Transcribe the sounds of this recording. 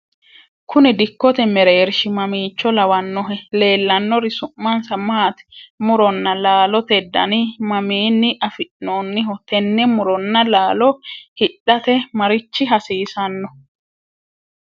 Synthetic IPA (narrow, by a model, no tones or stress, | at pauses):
kʰʊnɛd̪ɪkːɔt̪ɛmɛɾeːɾʃɪmɐmiːt͡ʃːɔlɐwɐnːɔɦɛle̞ːlːɐnːɔɾɪsʊmːɐnsɐmaːt̪ɛ̥mʊɾɔnːɐlaːlɔt̪ɛd̪ːɐ̰nɪmɐmiːnːɪʔɐfɪʔnoːnːɪɦɔt̪ɛnːɛmʊɾɔnːɐlaːlɔhɪᶑːɐt̪ɛmɐɾɪt͡ʃːɪɦɐsiːsɐnːɔ